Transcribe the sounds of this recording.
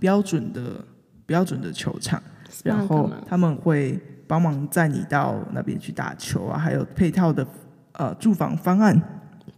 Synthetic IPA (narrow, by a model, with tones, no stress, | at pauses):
pjɑ˥ʊʈ͡ʂwə˨˩nd̪ə̰˨ | pjɑ˥ʊʈ͡ʂwə˨˩nd̪ə˨t͡ɕʰjo̰˧˥ʊʈ͡ʂʰɑ̰˨˩˦ŋɻa˧˥nxo˥˨ʊt̪ʰa˥mə˨nxwe˥˩ɪpɑ˥ŋmɑ˧˥ŋt͡sa˥˩ɪnḭ˨˩t̪ɑ˥˧ʊna̰˥˩pjɛ̰˥nt͡ɕʰy˥˩t̪a̰˥˨˩t͡ɕʰjo˧˥ʊa̰˧xa˧˥ɪjo˨˩ʊpʰe˥˧ɪt̪ʰɑ˥˩ʊd̪ə˩ | ʔə̰˨ʈ͡ʂu˥˨˩fɑ̰˧˥ŋfɑ˥ŋa˥˩n